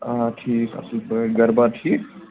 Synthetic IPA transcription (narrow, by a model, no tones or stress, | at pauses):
aʈʰiːkɐ̰səlpəɡəɾbaʈʰi